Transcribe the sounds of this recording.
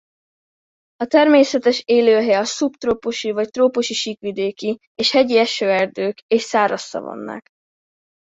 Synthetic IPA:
ɒt̪ɛrmeːsɛt̪ɛʃeːløːɦɛɒsupt̪roːpoʃivɒct̪roːpoʃiʃiːkʋid̪eːki | eːʃhɛɟiɛʃøːɛrd̪øːkeːʃsaːɾɒsːɒ̰vo̰nːa̰ːk

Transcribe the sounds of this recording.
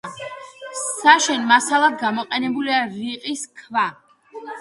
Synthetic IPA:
saʃɛnmasalˠad̪̚ɡamɔqʼɛnɛbuliaɾiqʼiskʰva

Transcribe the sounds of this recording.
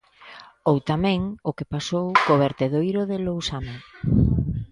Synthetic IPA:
owt̪amɛ̃ŋʊkepasowkoβeɾt̪eðojɾʊðɪlowsana

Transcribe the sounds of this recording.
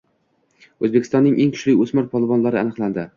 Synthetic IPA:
ɵzbekʲʰɪst̪ɒnːɪŋʔeŋkʰʊ̥ʃlɪjɵsmaɾpʰɒlˠɪvɒnlaɾɪanɨqland̪ɪ

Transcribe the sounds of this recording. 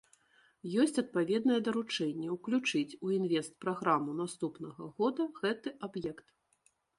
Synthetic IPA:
jɔsʲt͡sʲɐt̪̚pavʲɛd̪nɐjɛd̪ɐɾut͡ʂɛnʲːɛwklʲut͡ʂɨt͡sʲuinvʲɛst̪̚pɾaɣɾamunast̪upnɐɣɐɣɔd̪ɐɣɛt̪ɨʔabjɛkt̪

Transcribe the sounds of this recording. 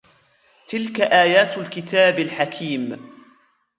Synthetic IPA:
t̪ɪlkaʔaːjaːt̪alkɪt̪aːbalħakʰiːm

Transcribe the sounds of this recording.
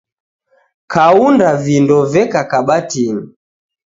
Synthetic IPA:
kʰaundavindɔvɛkakaɓatini

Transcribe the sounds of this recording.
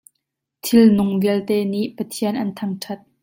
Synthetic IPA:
t̪ʰɪlnʊŋviəlt̪ɛːniʔpɐt̪ʰiənʔɐnt̪ʰɐŋʈʰɐt̪̚

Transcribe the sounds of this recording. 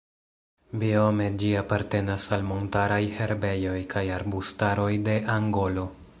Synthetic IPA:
biome̞d͡ʒiapaɾte̞nasalmo̞ntaɾajhe̞ɾbe̞jo̞jkʰajaɾbustaɾo̞jde̞ʔaŋɡo̞lo̞

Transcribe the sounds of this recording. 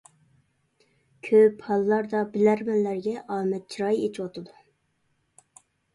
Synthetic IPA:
kʲʰøphɑlˠːɑɾd̪ɑbɪlæɾmɛnlæɾɡʲɛʔɑːmɛt̪̚t͡ʃʰiɾɑjet͡ʃʰwot̪ʰɨd̪u

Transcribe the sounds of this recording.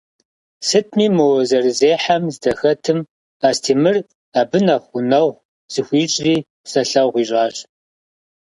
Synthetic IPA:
sɨtʰmiːmɨwɔzɐrɨzeːħamzdɐxɐtʰɨm | aːstʰiːmɨr | aːbɨnɐχʷʊnɐʁ | z̥ɨxʷiːɕʼriː | sɐɬɐwʁʷiːɕʼaːɕ

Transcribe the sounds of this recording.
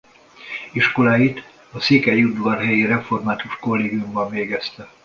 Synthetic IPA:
iʃko̞laːjit̪ | ɒsiːkɛjud̪ʋɒrɦɛjiɾɛfo̞rmaːt̪uʃko̞lːeːɡijumbɒɱveːɡɛst̪ɛ

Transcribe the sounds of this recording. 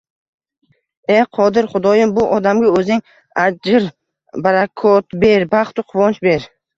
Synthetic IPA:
eqʰɒd̪ɪɾχʊd̪ɒjɪmbʊʔɒd̪amɡʲaɵzɪŋ | ad͡ʒɪɾ | baɾakʰɔt̪beɾbaχt̪ʊqʰʊvɒnt͡ʃbeɾ

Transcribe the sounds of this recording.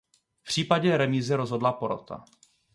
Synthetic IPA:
pr̥iːpaɟɛɾɛmiːzɪɾozɦo̞dlapoɾo̰t̪ʰa̰

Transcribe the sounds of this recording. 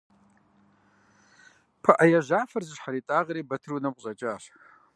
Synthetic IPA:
pʰaʔajaʒʷafɨrzɨʃħaɾitʼaʁɾebatʰɨrunapʷʼɕʼat͡ʃʼaʃ

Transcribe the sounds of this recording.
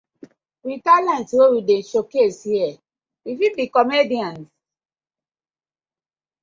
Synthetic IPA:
witalãntwowiden̩ʃokeshiɛ | ifibikɔmediãn

